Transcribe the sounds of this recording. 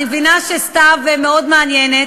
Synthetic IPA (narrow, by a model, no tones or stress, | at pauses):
vinaʃest̪avemeod̪meanjenet